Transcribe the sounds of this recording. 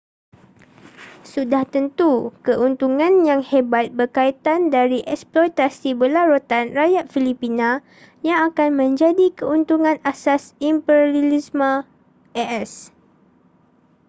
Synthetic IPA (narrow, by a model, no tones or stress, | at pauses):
sudaht̪ənt̪ukəʔunt̪uŋãnjaŋhebat̪̚bərkait̪andaɾiʔɛksplɔjt̪asibəlaɾot̪anrajat̪̚filipinã | jaŋakanmə̃ɲd͡ʒadikəunt̪uŋãnasasimpɛɾalismã | ʔɛʔɛs